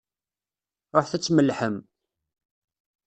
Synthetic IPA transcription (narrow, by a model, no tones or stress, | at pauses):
ɾˤoħθæt͡sːməlːħəm